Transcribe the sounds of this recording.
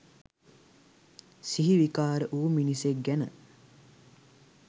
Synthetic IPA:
siɦiʋikaːɾəʔuːminisek̚ɡænə̰

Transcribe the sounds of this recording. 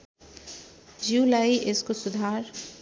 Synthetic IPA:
d͡ʒuːlaːiʔɪskosʊd̪ʱaːɾ

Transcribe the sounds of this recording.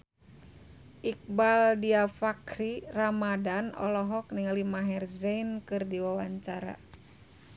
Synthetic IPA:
ʔik̚baldiafakɾiramadanɔ̰lɔɦɔk̚niŋalimaɦɛrzɛinkɨrdiwawaɲt͡ʃaɾa̰

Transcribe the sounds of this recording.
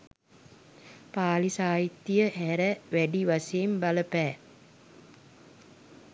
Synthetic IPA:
paːlisaːjit̪ːijəɦæɾəʋæɖiʋaseːmbaləpɛː

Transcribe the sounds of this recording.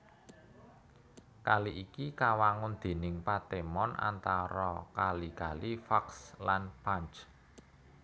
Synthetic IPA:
kaliʔikikawaŋʊnd̪̥e̤nɪŋpat̪emɔnʔa̰nt̪aɾɔkalikalifakslanpaɲt͡ʃ

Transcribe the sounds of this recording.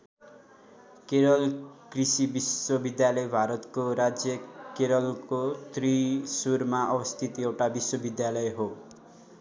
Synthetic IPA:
keɾɔlkɾisibiswɔbid̪jalɔjbʱaɾɔt̪koɾad͡ʒjʌkeɾɔlkot̪ʰɾisuɾmaʔɔbɔst̪ʰit̪ewʈabiswɔbid̪jalɔjɦo

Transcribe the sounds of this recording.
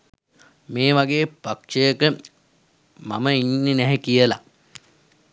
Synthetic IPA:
meːʋaɡeːpakʂejəkə | ma̰məinːenɛɦekijəla

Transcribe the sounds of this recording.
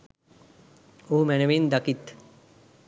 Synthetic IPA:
oɦumɛneʋind̪akit̪

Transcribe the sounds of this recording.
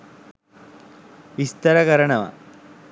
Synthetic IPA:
ʋist̪ɐɾɐkɐɾɐɳɐʋɐ̰

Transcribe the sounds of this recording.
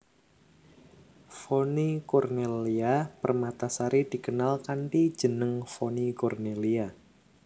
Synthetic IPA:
fonikɔrneliapərmat̪asaɾid̪̥i̤kənalkanʈid̥ʒ̥ə̤nəŋfɔnikɔrnelia

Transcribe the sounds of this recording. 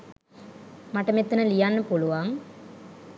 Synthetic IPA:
maʈɐmet̪ːɐnəlijanːəpuluʋaŋ

